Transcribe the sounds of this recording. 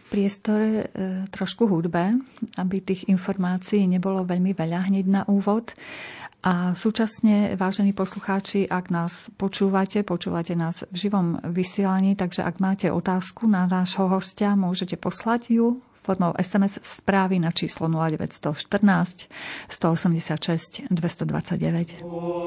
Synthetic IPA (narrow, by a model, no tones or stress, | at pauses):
fpɾɪɛst̪ɔɾɛt̪ɾɔʃkuɦud̪bɛabit̪iːɣinfɔɾmaːt͡siiːɲɛbɔlɔʋɛʎmiʋɛʎaɦɲɛɟnaʔuːʋɔt̪ʔasuːt͡ʃasɲɛʋaːʒɛniːpɔsluxaːt͡ʃiʔaɡnaːspɔt͡ʃuːʋacɛpɔt͡ʃṵːʋacɛnaːzvʒiʋɔmʋisɪɛlaɲiːt̪aɡʒɛ̰ʔa̰ɡmaːcɛʔɔ̰t̪aːskunanaʒɦɔɦɔscamʊɔʒɛcɛpɔslaɟju | fɔɾmɔʊʔɛsɛmɛssːpɾaːʋinat͡ʃiːslɔnulaɟɛʋɛ̰cst̪ɔʃt̪r̩naːscst̪ɔɔsɛmɟɛsɪat̪ʃɛscd̪ʋɛst̪ɔd̪ʋa̰t͡saɟɟɛʋɛc